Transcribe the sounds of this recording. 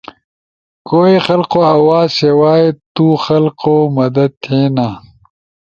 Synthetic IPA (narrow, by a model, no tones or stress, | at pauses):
koːixɐlqoːɐwaːzsewaːet̪uxɐlqoːmɐd̪ɐd̪̚t̪ʰeːnaː